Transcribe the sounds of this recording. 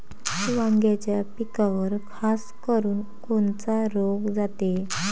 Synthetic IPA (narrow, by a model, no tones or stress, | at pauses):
ʋãŋɡjat͡ɕjapikaʋəɾkʰaskəɾuːn | kont͡saɾoɡd͡zat̪e